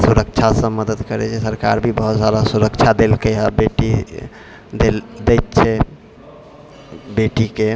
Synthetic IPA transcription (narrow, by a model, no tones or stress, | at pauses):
suɾəkt͡ʃʰasə̃məd̪əd̪kəɾɛ̰t͡ʃʰɛsəɾka̰ɾbʱibəɦut̪sad̪asuɾəkt͡ʃʰad̪elkeɦabeʈi | d̪eld̪ɛjt̪̚t͡ʃʰɛ | beʈike